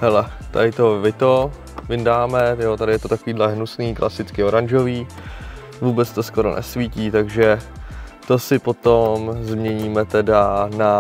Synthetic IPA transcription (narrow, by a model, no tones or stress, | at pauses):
hɛlɛ | t̪a̰dɪt̪o̞vɪt̪o | vɪndaːmɛjoːt̪adɪjɛt̪ot̪akoviːdlɛɦnusniːklʔa̰sɪt͡skɪo̞ɾanʒo̞viː | vuːbɛt͡st̪o̞sko̞ɾo̰nʔɛ̰sviːciːt̪aɡʒɛ | t̪o̞sɪpo̞t̪omzmɲɛɲiːmɛt̪ɛdana